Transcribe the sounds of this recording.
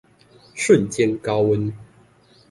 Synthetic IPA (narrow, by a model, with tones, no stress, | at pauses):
ʂwə˥˨nt͡ɕjɛ˥nkɑ˦˥ʊwə˦˥n